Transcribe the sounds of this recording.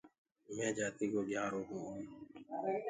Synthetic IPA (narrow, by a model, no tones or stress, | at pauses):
mɛ̃ːd͡ʒaːt̪ikoːɡʱjaːɾoːɦũː